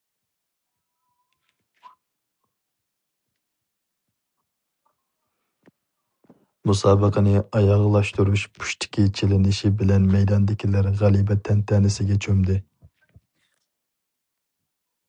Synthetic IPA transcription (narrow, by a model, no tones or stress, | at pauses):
musɑːbəqʰənɪɑjɑʁlˠɑʃt̪uɾuʃpʰu̥ʃt̪ʰɪ̥kʲʰit͡ʃʰelɪnɪʃibɪlɛnmɛjd̪ɑnd̪ɪkʲilæɾʁælˠibɛt̪ʰɛnt̪ʰɛːnɪsɪɡʲɛt͡ʃʰømd̪ɪ